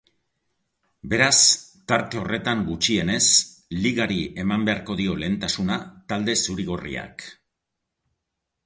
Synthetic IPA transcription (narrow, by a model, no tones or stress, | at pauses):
be̞ɾast̪aɾt̪e̞o̞re̞t̪aŋɡut͡ʃie̞ne̞s | liɣaɾie̞mambe̞aɾko̞ðio̞le̞ːnt̪asunat̪ald̪e̞suɾiɣ̞o̞rḭa̰k